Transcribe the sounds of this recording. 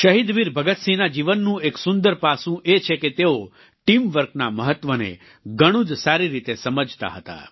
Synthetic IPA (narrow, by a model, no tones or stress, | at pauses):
ʃəɦid̪ʋiɾbʱəɡət̪sinad͡ʒiʋənːũeksund̪əɾpasũʔet͡ʃʰeket̪eo | ʈimʋəɾknaməɦət̪ʋənḛ | ɡəɽ̃ũd͡ʒsaɾiɾit̪esəməd͡ʒʱt̪a̰ɦət̪a̰